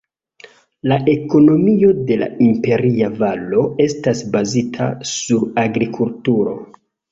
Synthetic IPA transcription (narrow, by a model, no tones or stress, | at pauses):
laʔe̞ko̞no̞mio̞de̞la̰impe̞ɾiavalo̞e̞stasbazitʰa̰suɾaɡɾikʰultuɾo̞̰